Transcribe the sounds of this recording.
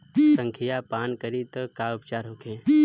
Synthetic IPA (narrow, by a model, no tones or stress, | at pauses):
sə̃ŋkʰijapaːnkəɾit̪əkaʊpt͡ʃaːɾɦokʰẽː